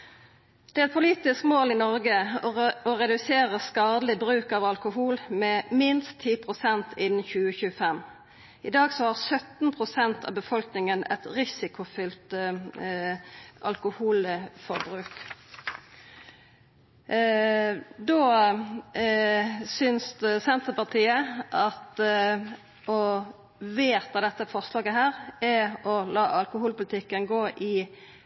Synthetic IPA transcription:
d̪̥ɛːæɛt̪̚pʰʊliːt̪ɪskmoːlɪnɔɾɡə | ɔʁɛd̪ʉseːʁəskɑːd̪lɪbʁʉːkɑʋɑlkʊhuːlmɛmɪnst̪ʰːiːpʰʁʊsɛnt̪ɪnn̩çʉːəçʉːəfɛm | ɪd̪ɑːɡsɔhɑːʁsœt̪n̩pʰʁʊsɛnt̪ʰɑ̰ːbəfɔlknɪŋənɛ̰t̪ʁɪsɪkʊfʏlt̪ | ɑ̰lkʊhuːləfɔʁbʁʉːk | d̪oː | sʏnssɛnt̪əpɑʁt̪ʰiːəʔɑt̪ | ʔɔ | ʋeːt̪ɑd̪ɛt̪ːəfɔʁslɑːɡəɦæːʁɛɔlɑːʔɑlkʊhuːlpʊlɪt̪ʰɪkːənɡoːʔɪ

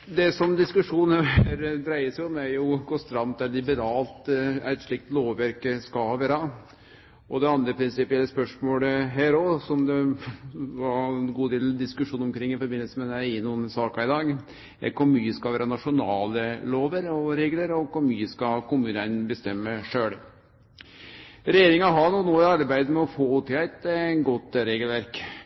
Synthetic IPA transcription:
d̪ɛsɔmd̪ɪskʉʂuːnəɦæːɾd̪ɾæɪəsæɪɔmæɾjʊɡost̪ɾɑmːtd̪ɛd̪ɪbət̪ɑːlt̪æɪt̪ʂɭɪk̚t̪loːʋʋæɾkəskɑhɑʋæːɾɑ | ʔɔd̪ɛɑnd̪ɾəpʰɾɪnsɪpɪɛlːəspœʂmoːləɦæːɾɔsɔmd̪ɛ | ʋɑɾɛnɡuːd̪eːld̪ɪskʉʂuːnɔmkʰɾɪŋːɪfɔɾbɪnːəsəmɛd̪æɪɪnuːnsɑːkɑɪd̪ɑːɡ | ɛkʰʊɾmyːəskɑʋæːɾənɑʂʊnɑːləloːʋəɾɔɾeːɡləɾɔkʊɾmyːəskɑkʰʊmʉːnənbəst̪ɛmːəʂøːɽ | ɾɛjeːɾɪŋɑɦɑɳuːnoːɑɾbæɪd̪mɛɔfoːuːt̪ʰɪæɪt̪ɡɔt̪ːɾeːɡəlʋæɾk

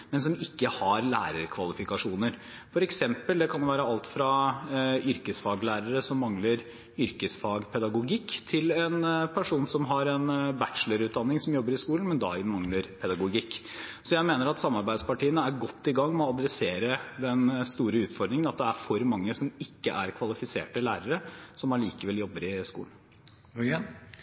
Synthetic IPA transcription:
mɛns̬ɔmɪkːəhɑɾlæ̰ːɾəɾkʰʋɑlɪfɪkɑʂuːnəɾfɔɾɛksɛmpəld̪ɛkʰɑnjʊʋæːɾəɑlt̪fɾɑ | ʏɾkəsfɑːɡlæːɾəɾəsɔmːɑŋləɾ | ʏɾkəsfɑːɡpʰɛd̪ɑɡʊɡɪkːt̪ʰɪlɛnpʰæʂuːnsɔmɦɑɾɛnbætʂələɾʉːt̪̚d̪ɑnːɪŋsɔmjɔbːəɾɪskuːln̩mɛnd̪ɑ̰ːɪnmɑŋləɾpʰɛd̪ɑɡʊɡɪkː | sɔjæɪmeːnəɾɑt̪sɑmːɑɾbæɪd̪spɑʈiːənəæɾɡɔt̪ːɪɡɑŋːmɛːɑd̪ɾɛseːɾəd̪ɛnst̪uːɾəʉːt̪fɔɾd̪ɾɪŋənɑt̪̚d̪ɛæɾfɔɾmɑŋːəsɔmɪkːəʔæɾkʰʋɑlɪfɪsḛːʈəlæ̰ːɾəɾəsɔmɑliːkəʋɛljɔbːəɾɪskṵːln

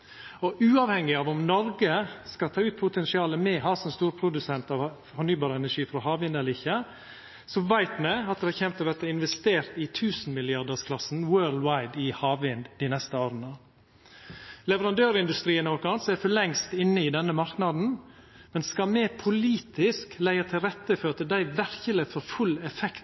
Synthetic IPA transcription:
ɔʔʉːɑʋhɛŋːɪɑʋɔmnɔɾɡəskɑt̪ʰɑːʉːt̪̚pʰʊt̪ʰɛnsɪɑːləmɛhɑːsɔmst̪uːɾpʰɾʊd̪ʉsɛnt̪ɑʋ | fɔɾnyːbɑːɾəɛnæʂiːfɾɔɦɑːʋɪnd̪ɛləɾɪçːə | sɔʋæɪt̪mɛɑt̪̚d̪ɛhɑçɛmt̪ɑʋæɾt̪əɪnʋɛst̪eːɾt̪ɪt̪ʰʉːsn̩mɪlɪɑɖ̪əskʰlɑsn̩wøːld̪wɑɪd̪ɪhɑːʋɪnd̪̥ɪnɛst̪əoːɾənə | lɛʋəɾɑnd̪øːɾɪnd̪ʉst̪ɾiːənɔɾkɑnseɾfɔlɛŋst̪ɪnːəɪd̪ɛnːəmɑɾknɑd̪n̩ | mɛnskɑmɛpʰʊliːt̪ɪsklæɪɑt̪ʰɪlɾɛt̪ːəføt̪əd̪æɪʋæɾkəlɪfɔɾfʉlːɛfɛkt̪

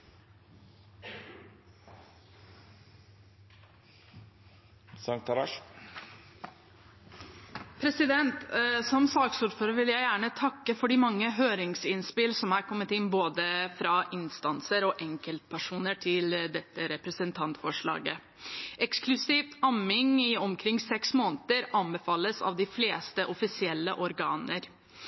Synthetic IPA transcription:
sɑŋt̪ʰɑɾɑ̰ʂ | pʰɾɛsɪd̪ɛnt̪sɔmsɑːksuːʈføːɾəʋɪljæɪjæːɳət̪ʰɑkːəfɔɖiːmɑŋːəɦøːɾɪŋsɪnspɪlsɔmhæːɾkʰɔmːət̪ɪnboːd̪əfɾɑːʔɪnst̪ɑnsəɾɔʔɛŋkəlt̪̚pʰæʂuːnəʈʰɪld̪ɛt̪ːəɾɛpɾəsənt̪ʰɑnt̪fɔʂɭɑ̰ːɡə | ʔɛksklʉsiːft̪ɑmɪŋɪɔmkʰɾɪŋːsɛksmoːnət̪əɾɑnbəfɑːlːəsɑ̰ːʋd̪ɪfleːst̪əʔɔfɪsɪɛlːəʔɔɾɡɑːnəɾ

